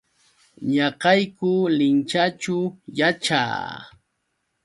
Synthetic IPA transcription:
ɲɑqɑjkʊlɪnt͡ʃat͡ʃʊjat͡ʃa̰ː

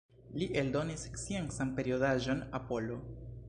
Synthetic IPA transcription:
liʔe̞ldo̞nisksieŋsanpe̞ɾio̞daʒo̞napo̞lo̞

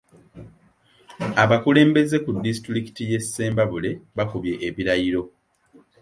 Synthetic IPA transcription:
aβakule̞ːmbe̞ze̞kudːisi̥tɾiki̥tije̞sːe̞ːmbaβule̞βakuβje̞ʔːβiɾajiɾo̞

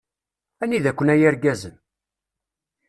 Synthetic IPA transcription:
æniðækʷːənæjæɾɡæzən

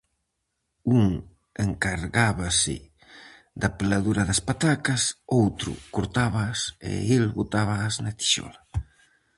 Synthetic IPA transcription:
uŋ | eŋkaɾɣaβasɪ̰ | d̪apelaðuɾaðaspat̪akasowt̪ɾʊ̰kuɾt̪aβasḛelβot̪aβ̞aːznat̪i̥ʃɔ̰la

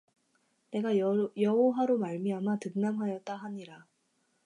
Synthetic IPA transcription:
ne̞ɡajʌoɦaɾomaɭmiamatɯnnamɦajʌt̚t͈aɦaɲiɾa

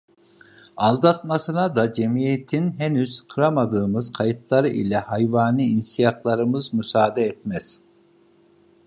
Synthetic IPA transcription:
alˠd̪at̪masɯnad̪ad͡ʒemijet̪ʰinɦenyz̥kʰɯɾamad̪ɯːmɯzkʰajɯt̪lˠaɾɯʔilʲɛhajvaːnɯinsijaklˠaɾɯmɯzmysaːd̪ɛɛt̪̚mɛz̥

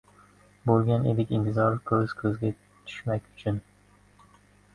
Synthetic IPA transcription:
bolˠɡʲanḛd̪ɪkʲɪnt̪ʰɪzɒɾkʰɵz̥kʰɵzɡʲa | t̪ʰʊ̥ʃmakʲʊt͡ʃʰʊn

